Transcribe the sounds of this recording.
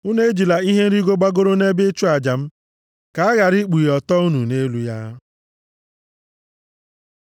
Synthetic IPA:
ʊ˦ne˦e˦d͡ʒi˨la˨i˦ɦe˦n̩˦ɾi˦ɡʷo˦ɡ͡ba˦ɡo˦ɾo˦ne˦be˦t͡ʃu˦a˨d͡ʒa˨m̩˦ | ka˨a˦ɣa˨ɾi˦k͡pu˨jɔ˨tɔ˦u˦nu˨ne˦lu˦ja̰˦

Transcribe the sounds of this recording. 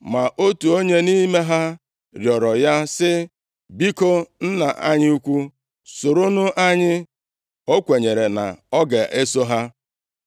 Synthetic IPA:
ma˨ʔo˦tu˨o˦ɲe˦ni˦me˦ɦa˦ | ɾjɔ˨ɾɔ˨ja˦sɪ˦ | bi˦ko˦n̩˦na˨a̰˦ɲɪ˦u˦kʷu˦ | so˨ɾo˦nʊ˦ʔa˦ɲɪ˦ | o˦kʷe˨ɲe˨ɾe˨na̰˨ɔ˦ɡe˨ʔe˦so˦ɦa˦

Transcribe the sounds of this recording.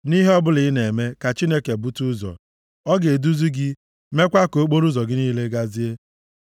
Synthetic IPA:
ni˦ɦe˦ɔ˦bʊ˦lɪ˨˦ne˨me˦ka˨t͡ʃi˦ne˦ke˨bu˦tu˦zɔ̰˨ | ɔ˦ɡe˨du˦zu˦ɡɪ˦ | me˦kʷa˦ko˨˦k͡po˦ɾu˦zɔ˨ɡɪ˦niː˦le˦ɡa˦zi˦e˦

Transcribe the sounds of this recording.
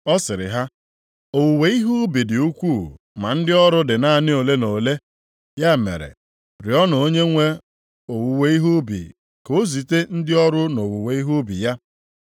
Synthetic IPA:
ɔ˦sɪ˨ɾɪ̰˨ɦa˦ | o˨wu˨we˨i˦ɦu˦bi˨dɪ˨u˦kʷu˦˨ | ma˨n̩˦dɪ˦ɔ˦ɾʊ˦dɪ˨na˦˨nɪ˦o˨le˦no˨le˦ | ja˦˨mḛ˨ɾḛ˨ | ɾɪ˨ɔ˦nɔ˨o˦ɲe˦ŋʷe˦ | o˨wu˨we˦i˦ɦu˦bḭ˨ | ko˦zi˨te˦n̩˦dɪ˦ɔ˦ɾʊ˦no˨wu˨we˨i˦ɦu˦bḭ˨ja˦

